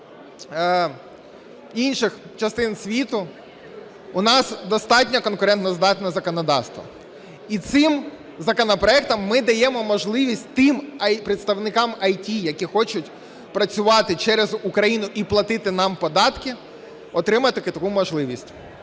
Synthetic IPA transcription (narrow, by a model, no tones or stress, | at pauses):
inʲʃɪxt͡ʃɐst̪ɪnsʲʋʲit̪ʊ | ʊnɑsd̪ɔst̪ɑtʲnʲɐkɔnkʊɾɛnt̪nɔzd̪ɑt̪nɛzɐkɔnɔd̪ɑst̪ʋɐ̰ | it̪sɪm | zɐkɔnɔpɾɔɛk̚t̪ɐmːɪd̪ɐjɛmɔmɔʒlˠɪʋʲisʲtʲt̪ɪmɐjpɾɪt̪st̪ɐʋnɪkɑmɐjtʲijɐkʲixɔt͡ʃʊtʲ | pɾɐt͡sʲʊʋɑt̪ɪt͡ʃɛɾɛzukɾɐjinʊʔiplˠɐt̪ɪt̪ɪnɑmpɔd̪ɑt̪kɪ | ɔt̪ɾɪmɐt̪ɪkɪt̪ɐkumɔʒlˠɪʋʲisʲtʲ